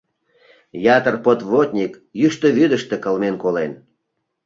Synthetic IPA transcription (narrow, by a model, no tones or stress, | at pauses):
jɑt̪ərpot̪vot̪ʲnʲik | jyʃt̪øβyd̪əʃt̪ĕkəlmenkolen